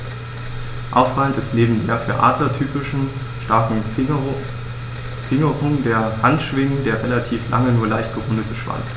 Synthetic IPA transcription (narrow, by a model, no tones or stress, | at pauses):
ʔa̰ʊfʁ̥aləntɪstneːbm̩deːɐfyːɐʔa̰ːdlɐtʰyːpɪʃn̩ | ʃtaɐkŋ̩ | fɪŋəʁʊŋdeːɐhantʃv̥ɪŋndeːɐʁelatʰiːflʔa̰ŋənuːɐlaɪçt̚ɡ̥əʁʊndətəʃv̥a̰nt͡s